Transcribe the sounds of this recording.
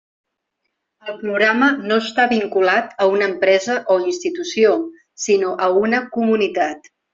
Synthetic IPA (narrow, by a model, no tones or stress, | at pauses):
əlˠpɾuɣɾamənoəst̪aβiŋkulat̪əunəːmpɾɛzəʔoinst̪it̪usio | sinoʔəunəkumunit̪at̪